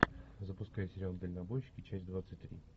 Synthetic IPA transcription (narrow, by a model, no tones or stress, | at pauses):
zəpʊskajɪsʲɪɾʲalˠd̪əlʲnɐbojɕːɪ̥kʲɪt͡ɕæsʲd̪vat̪sɨt̚ʲt̪ɾʲḭ